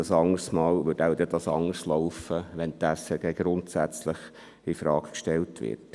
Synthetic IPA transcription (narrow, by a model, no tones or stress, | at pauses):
ɑsɑŋəɾsmɑːlʋʏtaʊd̪ɛd̪ɑsɑ̰ŋəɾslɔʊfəʋɛnt̪æsɛɡ̥ɛɡ̥ɾʊntsæt͡slɪχ | ifɾɑːkkʃtɛltʋɪ̰ɾt